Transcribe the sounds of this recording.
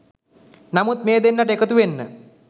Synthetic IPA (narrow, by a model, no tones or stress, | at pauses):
namut̪meːd̪enːaʈəekət̪uʋenːə̰